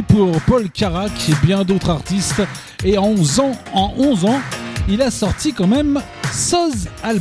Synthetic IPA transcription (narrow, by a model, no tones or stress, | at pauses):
puʁpɔlkaʁakebjɛ̃d̪ot̪χaʁt̪ist̪ | eɑ̃zɑ̃ɑ̃ʔɔ̃zɑ̃ilasɔʁt̪ikɑ̃mɛm | sɔzal